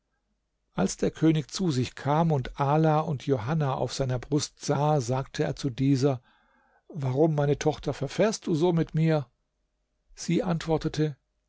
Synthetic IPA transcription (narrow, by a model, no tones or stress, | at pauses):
ʔalsd̥eːɐkʰøːnɪçt͡suzɪçkʰaːmʊntʔaːlaːʊntʰjoɦanaʔa̰ʊfz̥aɪnɐbʁʊstz̥aːzaːktʰəḛːɐt͡sudiːzɐ | vaʁʊmːaɪnətʰɔχtɐfɛɐfɛːɐst̚d̥uːzoːmɪtmiːɐ | z̥iːʔantv̥ɔɐtətʰə